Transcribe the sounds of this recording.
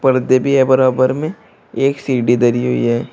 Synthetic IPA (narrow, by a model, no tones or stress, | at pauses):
pəɾd̪ebʱiɦɛbɐɾaːbəɾmẽ | eːksiːɖid̪əɾiɦoḭɦɛː